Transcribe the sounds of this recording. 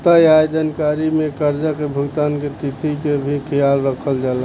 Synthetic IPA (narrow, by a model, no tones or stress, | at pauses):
t̪əjajd͡ʒankaɾimekəɾd͡ʒakebʱuɡt̪anket̪it̪ikebʱikʰijalɾəkʰəld͡ʒala